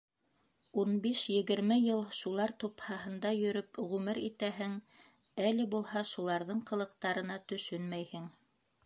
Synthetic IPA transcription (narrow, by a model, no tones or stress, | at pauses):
unbiʃjɘ̆ɡɘ̆ɾmɘjɤlˠʃulˠɑɾt̪uphɑɦɤ̆nd̪ɑjɵ̆ɾɵpʁʉmɘɾit̪æɦɘŋ | ælɘbulˠhɑʃulˠɑɾðɤɴqɤ̆lˠɤ̆q̚t̪ɑɾɤ̆nɑt̪ɵ̆ʃɵnmæjhɘŋ